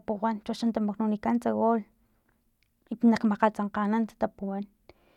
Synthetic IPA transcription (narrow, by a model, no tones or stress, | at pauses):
puwant͡ʃuaʃant̪amaknonikant͡saɣol | inakmaqalt͡saɴqanant̪ḁt̪apuwan